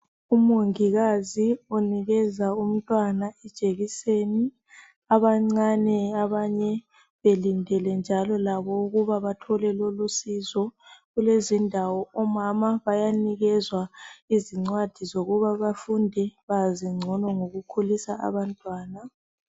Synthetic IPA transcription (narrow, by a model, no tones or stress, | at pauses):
umoŋiɣazioniɣɛzaum̩tʼwanaɛd̥ʒ̥ʱeɣiseni | aβaŋ͡ǀanɛaβaɲɛ | βelindʱɛlɛnd͡ʒʱalɔlaβɔuɣuβaβatʰɔlɛlolusizɔɣulezindʱawɔɔmamaβajaniɣɛzwaiziŋ͡ǀwad̥ʱizoɣuβaβafundʱɛβaziŋ͡ǀʱɔnɔŋoɣukʰulisaʔa̰βantʼwaːna